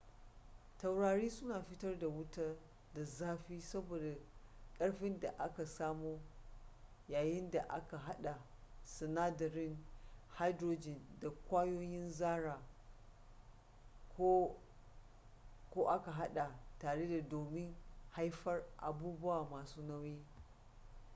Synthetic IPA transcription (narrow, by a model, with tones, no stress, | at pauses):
ta˨wɽaː˨ɽiː˦sʊ˦naː˨ɸɪ˦tɐ˦rda˨wʊ˦ta˦ | da˨zaː˦ɸiː˦sɐ˦boː˨da˨kʼɐ˦ɽɸɪ˦nda˨ʔa˦ka˨saː˦muː˦ | jaː˨jɪ˦nda˨ʔa̰˦ka˨ɦa˦ɗa˨ | sɪ˨naː˦dɐ˨ɾɪ˦nha˦jdɾoː˦d͡ʒɪ˨nda˨kʷaː˦joː˦jɪ˦nzaː˦ɾaː˨ | ko˦ | kʷoː˦ʔa˦ka˨ɦa˦ɗa˨taː˨ɽe˦da˨doː˨mɪ˦ŋha˦jɸɐ˦rʔa̰˨buː˦bʊ˦waː˨maː˨suː˦nɐ˦wjeː˦